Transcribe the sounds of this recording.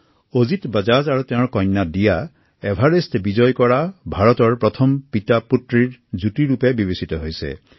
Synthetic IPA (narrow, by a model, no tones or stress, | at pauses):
ozit̪bad͡ʒazaɾut̪ẽʊ̃ɹɔkɔjnːadija | ebʱaɾestbid͡ʒɔjkɔɹabʱaɹɔt̪ɔɹpɹɔt̪ʰɔmpit̪aputɹiɹd͡ʒutiɾupebibesit̪ɔɦojsḛ